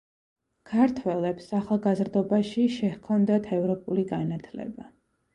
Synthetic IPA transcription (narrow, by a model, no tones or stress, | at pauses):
kʰaɾt̪ʰwɛlɛpsaχalˠɡazɾd̪ɔbaʃiʃɛhkʰɔnd̪at̪ʰɛvɾɔpʼuliɡanat̪ʰlɛ̰ba